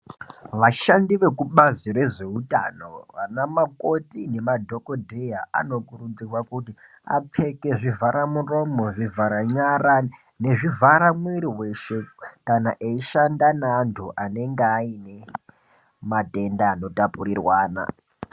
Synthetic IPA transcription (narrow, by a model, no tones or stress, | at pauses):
ʋaʃandiʋe̞kuɓazire̞ʐe̞uta̰no̞̰ʋa̰namako̞tine̞madʱo̞kodʱejaa̰no̞kurud͡zirwakuti | a̰p͡fʰe̞ke̞ʐivʱaɾamuro̞mo̞ʐivʱaɾaɲaɾa | ne̞ʐivʱaɾamweɾiweʃekanaʔeiʃandanaːntʰuʔane̞ŋɡeaine̞ | mate̞ndaːno̞tapurirwaːna̰